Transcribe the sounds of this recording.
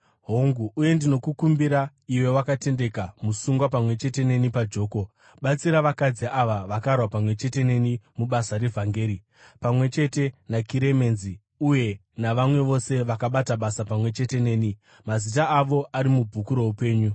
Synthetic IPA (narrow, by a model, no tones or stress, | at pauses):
ɦoŋɡuːje̞ndino̞kukumbiɾa | iwe̞wakate̞nde̞kamusuŋɡwapamwe̞t͡ʃe̞te̞ne̞nipad͡ʒo̞ːko̞ | ɓat͡siɾaʋakad͡ziʔaʋaʋakarwapamwe̞t͡ʃe̞te̞ne̞nimuɓasaɾe̞vʱaŋɡe̞ːɾi | pamwe̞t͡ʃe̞te̞nakiɾe̞me̞ːnzi | uje̞ | naʋamwe̞ʋo̞se̞ʋakaɓataɓasapamwe̞t͡ʃe̞te̞ne̞ːni | mazitaːʋo̞ʔaɾimubʱukuɾo̞upe̞ːɲu